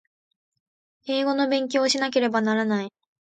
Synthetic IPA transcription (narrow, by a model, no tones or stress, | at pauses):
e̞ːɡo̞no̞bẽ̞ŋk̬ʲo̞ːɕinak̬e̞ɾe̞banaɾanai